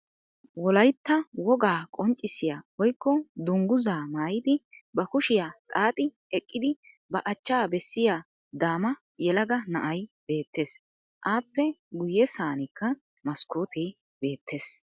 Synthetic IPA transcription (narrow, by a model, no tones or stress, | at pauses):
wɔlɐjt̪ːɐwɔɡaːkʼɔnt͡ʃʼːɪsɪjaːwɔjkːɔd̪ʊŋɡʊzaːmaːjɪd̪ɪbɐkʊʃɪjaːt̪ʼaːt̪ʼɪ | ɛkʼːɪd̪ɪ | bɐʔɐt͡ʃːaːbɛsːɪjaː | d̪aːmɐ | jɛlɐɡɐnɐʔɐjb̥e̞ːt̪ːe̞ːs | ʔaːpːɛɡʊjːɛsaːnɪkːɐ | mɐskoːt̪ɛj | be̞ːt̪ʰːe̞ːs